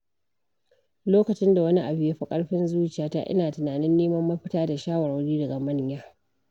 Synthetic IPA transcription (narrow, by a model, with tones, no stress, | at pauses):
loː˦kɐ˨t͡ʃɪ˦nda˨wɐ˦ni˦ʔa˨bɪ˦ja˦ɸi˦kʼɐ˦ɽɸɪ˦nzuː˦t͡ʃɪ˨jaː˨˦ta̰˦˨ʔɪ̰˦naː˨tɪ˨naː˨nɪ˦nːeː˦mɐ˦mːɐ˦ɸɪ˦taː˦da˨ʃaː˦wɐ˨ɽa˨wɽiː˦dɐ˨ɡa˨mɐ˦ɲjaː˦